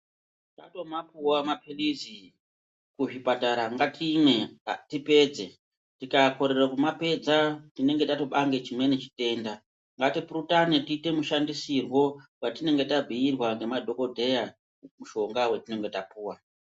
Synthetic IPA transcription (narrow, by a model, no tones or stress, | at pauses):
ta̰to̞map̚uwamapʰelizi | kuʐipataɾaŋɡatʰimwe̞tipe̞d͡ze̞ | tikako̞ɾe̞rakumape̞d͡zatine̞ŋɡe̞tato̞ɓaŋɡe̞t͡ʃimwe̞net͡ʃi̥te̞ːnda | ŋɡatipurutanetiːte̞muʃandisirwo̞watine̞ŋɡe̞tabʱiːrwaŋɡe̞madʱo̞ko̞dʱe̞ja | muʃo̞ŋɡawetine̞ŋɡe̞tapuːwa